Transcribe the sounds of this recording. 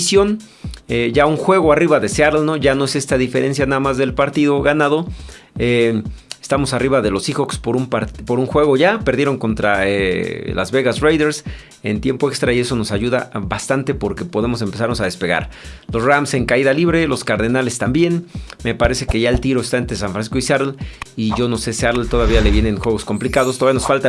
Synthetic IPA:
sjon | eʝauŋxwe̞ɣoariβaðe̞seaɾlno̞ʝano̞e̞se̞st̪aðife̞ɾe̞nsjanaðamazðe̞lpaɾt̪iðo̞ɣanað̞o̞ | eest̪amo̞sariβaðe̞lo̞sixo̞kspoɾumpaɾt̪poɾuŋxwe̞ɣo̞ʝapeɾðjeɾo̞ŋko̞nt̪ɾaela̰zβe̞ɣazrejðeɾs | e̞nt̪je̞mpoe̞kst̪ɾaie̞so̞no̞saʝuðabast̪ant̪e̞po̞ɾke̞po̞ðe̞mo̞s̬e̞mpe̞saɾno̞saðe̞spe̞ɣa̰ɾlo̞sramse̞ŋkaiðaliβɾe̞lo̞skaɾðenale̞st̪ambje̞nme̞paɾe̞se̞ke̞ʝae̞lt̪iɾoest̪aent̪ɾes̬anɱfɾansisko̞isaɾliʝo̞no̞se̞siaɾlt̪o̞ð̞aβiale̞βje̞nenxwe̞ɣo̞sko̞mplikaðost̪oaβijanosfalt̪a

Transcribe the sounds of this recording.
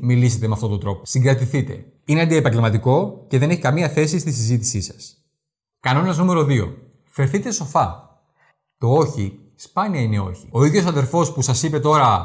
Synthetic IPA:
milise̞t̪emeɐft̪o̞t̪od̪ɾo̞po̞siŋɡɾɐt̪iθit̪e̞̰ | ineɐnd̪iepɐɲɟelmɐt̪iko̞ce̞ðene̞çi̥kɐmiɐθe̞s̬ist̪isizit̪i̥sisɐ̥s | kɐno̞nɐznume̞ɾo̞ðio̞̰ | fe̞ɾθit̪e̞so̞fɐ | t̪o̞o̞çi | spɐniɐine̞o̞̰çi̥o̞iðʝo̞sɐðe̞ɾfo̞spusɐsipe̞t̪o̞ɾɐ

